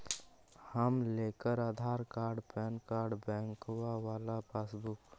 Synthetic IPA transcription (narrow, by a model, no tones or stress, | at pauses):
həmleːkəɾaːd̪ʱaːɾkaːɾɖpɛːnkaːɾɖbɛ̃ːŋkwawaːlapaːsbʊk